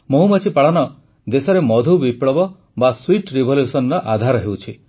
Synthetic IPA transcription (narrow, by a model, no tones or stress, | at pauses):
moɦumat͡ʃʰipaɭɔnɔ | d̪esɔɾemɔd̪ʱubipɭɔbɔ | baswiʈɾibʱɔljusɔnɔɾɔʔad̪ʱaɾɔɦewt͡ʃʰi